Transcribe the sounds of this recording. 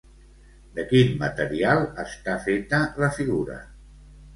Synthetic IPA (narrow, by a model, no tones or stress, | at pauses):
d̪əkinmə̰t̪əɾialˠəst̪afet̪ələfiɣuɾə̰